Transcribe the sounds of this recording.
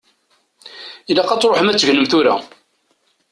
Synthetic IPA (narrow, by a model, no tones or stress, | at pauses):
ilæqɑt͡sːɾˤoħəmæt͡sːʝnəmθuɾa̰